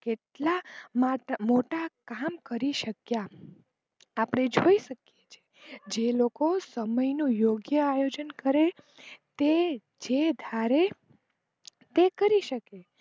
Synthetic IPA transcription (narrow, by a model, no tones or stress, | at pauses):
keʈlamamoʈakamkəɾiʃəkja | apɳ̃ed͡ʒoiʃəkjet͡ʃʰe̥ | d͡ʒelokosəməjnũjoɡjəajod͡ʒənkəɾe | t̪e | d͡ʒed̪ʱaɾe | t̪ekəɾiʃəke